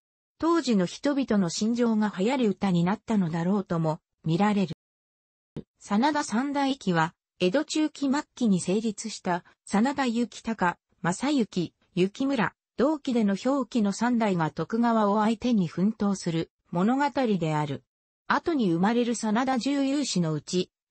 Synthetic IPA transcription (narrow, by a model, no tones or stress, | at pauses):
t̪o̞ːʑino̞çi̥t̪o̞bʲit̪o̞no̞ɕĩɲ̟d͡ʑo̞ːɡahajaɾʲiɯ̟t̪aɲ̟inat̪ːano̞d̪aɾo̞ːt̪o̞mo̞ | mʲiɾaɾe̞ɾɯ̟ | sanad̪asãnd̪aikʲiβ̞a | e̞d̪o̞t͡ɕɨːkʲimakʲːiɲ̟ise̞ːɾʲit͡sɨɕi̥t̪a | sanad̪ajɯ̟kʲi̥t̪aka | masajɯ̟kʲi | jɯ̟kʲimɯ̟ɾa̰ | d̪̥o̞ːkʲid̪e̞no̞ço̞ːkʲino̞sãnd̪aiɡat̪o̞kɯ̟ɡaβaoait̪ẽ̞ɲ̟ːiɸɯ̟̃nt̪o̞ːsɨɾɯ̟ | mo̞no̞ɡat̪aɾʲid̪e̞aɾɯ̟ | at̪o̞ɲ̟iɯ̟maɾe̞ɾɯ̟sanad̪aʑɨːjɯːɕino̞ɯ̟t͡ɕi